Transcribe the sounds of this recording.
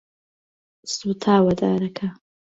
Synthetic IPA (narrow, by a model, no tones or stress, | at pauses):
sut̪ʰaːwɐd̪a̰ːɾɐkʰa